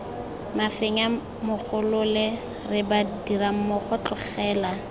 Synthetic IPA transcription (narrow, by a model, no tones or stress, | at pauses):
mafeŋa | mʊk͡xʰʊlʊlɛ | rɪbadiɾam̩mʊχʰɔt͡ɬʊχɛːla